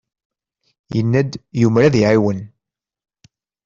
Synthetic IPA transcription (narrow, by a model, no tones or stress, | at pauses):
jənːæd̪jumɾæðiʕiwən